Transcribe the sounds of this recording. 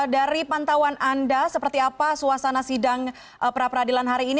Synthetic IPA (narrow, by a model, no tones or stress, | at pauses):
daɾipant̪awanʔandasəpərt̪iapasuasanasidaŋ | pəɾapəradilanɦaɾiːn